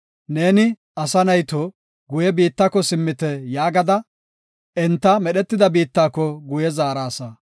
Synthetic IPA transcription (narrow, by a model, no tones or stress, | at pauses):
ne̞ːnɪ | ɐsɐnɐjt̪ɔ | ɡʊjɛbiːt̪ːɐkːɔsɪmːɪt̪ɛjaːɡɐd̪ɐ | ɛnt̪ːɐmɛɗɛt̪ːɪd̪ɐbiːt̪ːaːkːɔɡʊjɛzaːɾaːsɐ